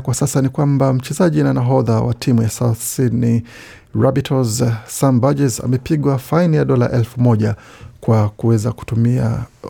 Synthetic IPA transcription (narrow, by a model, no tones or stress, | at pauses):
kwasasanikwambam̩t͡ʃɛzaʄinanaɦɔðawa̰tʰimujasaθsidni | ɹabitʰɔzsambad͡ʒɛza̰mɛpiɠwafainijaɗɔla̰ʔɛlfumɔʄakwakuwɛzaku̥tumia̰